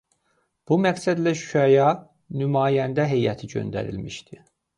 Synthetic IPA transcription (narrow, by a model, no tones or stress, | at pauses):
b̥umæɡsæd̪læʃy̥æjɑ | nymɑːjænd̪æɦe̞jæt̪ʰiɟø̰nd̪æ̰ɾḭlmiʃd̪̥i